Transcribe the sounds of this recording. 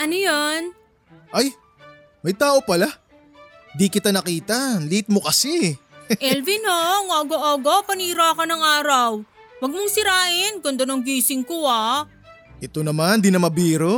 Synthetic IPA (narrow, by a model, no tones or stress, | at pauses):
ʔɐnojon | ʔaj | mɐjt̪aːʔo̞pɐla | nd̪ikɪt̪anɐkiːt̪ɐnliɪt̪̚mokɐsɛ | ʔɛlvɪnoŋoːɡoʔoːɡopɐniːɾoɐkonɐŋaːɾɐw | wɐɡ̚mʊŋsɪɾaːʔɪnkʊnd̪ɐnoŋɡiːsɪŋkoa | ʔɛt̪onɐmand̪inɐmɐbiːɾo